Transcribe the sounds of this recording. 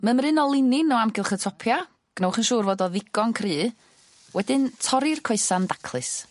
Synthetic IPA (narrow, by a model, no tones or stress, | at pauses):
məmɾɨnɔlˠɪnɪnɔamɡɪlˠχətʰɔpʰja | ɡ̥nɔwχənʃuːrvɔːdɔðɪɡɔnkʰrɨː | wɛdɪntʰɔɾɪrkʰɔɨsandakʰlˠɨs